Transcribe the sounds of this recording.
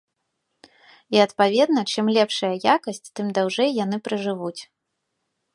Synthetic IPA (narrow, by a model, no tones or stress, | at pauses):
iɐt̪pavʲɛd̪nɐt͡ʂɨmlʲɛpʂɐjɐjakɐsʲt͡sʲt̪ɨmd̪awʐɛjjan̪ɨpɾɐʐɨvut͡sʲ